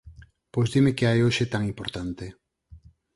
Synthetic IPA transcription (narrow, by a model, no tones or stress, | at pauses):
pojzd̪imekeajoʃet̪aŋimpoɾt̪ant̪e